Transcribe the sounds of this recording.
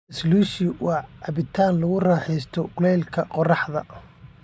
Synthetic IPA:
ɪsluːʃɪwɑːʕɑbɪt̪ʰaːnlɐɣʊraːħɛjst̪ʰɔɡʊlɛːlkʰɐqɔrɑħðɐ̰

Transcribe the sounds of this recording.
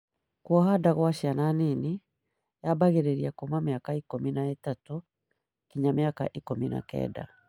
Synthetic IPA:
kwɔɦadaɣwaɕiananini | jabaɣeɾeɾiakomameakaikominaetatu | kiɲameaka̰ʔikomina̰kɛ̰ːda̰

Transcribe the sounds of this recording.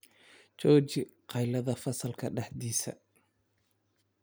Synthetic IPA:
t͡ʃɔːt͡ʃɪqɑjlɐðɐfɐsɐlkʰɐɖɐħd̪iːsɐ̰

